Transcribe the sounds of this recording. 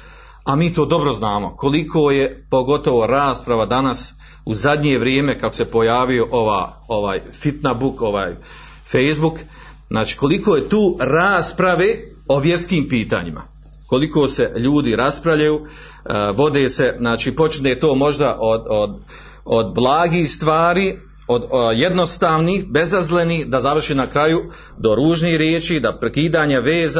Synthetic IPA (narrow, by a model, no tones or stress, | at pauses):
amiːt̪o̞ːd̪o̞bɾo̞znaːmokʰo̞likʰoːje̞po̞ɡo̞t̪o̞ʋo̞ɾaːspɾaʋad̪anas | uzad̪ɲe̞ʋɾjeːmekako̥se̞po̞jaːʋio̞ʔoʋa̰ː | oʋaːjfit̪nabuko̞ʋaːj | fejzbuk | znaːt͡ʃi̥ːko̞likoːjet̪uːɾaːspɾaʋe | o̞ʋje̞ɾskiːmpiːt̪a̰ːɲima̰ | ko̞liko̞ːseʎuːd̪iɾaspɾaʋʎajuː | ʋo̞d̪eːse̞znaːt͡ʃiːpo̞t͡ʃinet̪o̞ːmo̞ʒd̪aʔod̪od̪ | od̪blˠaːɡiːhst̪ʋaːɾiː | od̪je̞d̪nost̪aːʋnihbe̞zazlenihd̪azaʋr̩ʃiːnakɾaju | d̪o̞ɾuːʒnihɾjeːt͡ʃiːd̪apɾekiːd̪aːɲaʋeːza